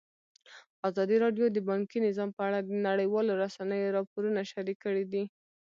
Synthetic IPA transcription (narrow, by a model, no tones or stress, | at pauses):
azɑd̪iɾɑɖjod̪əbɑŋkinɪzɑmpəaɽad̪ənaɽəjwɑloɾasanəjoɾɑpoɾunaʃaɾikːəɽid̪i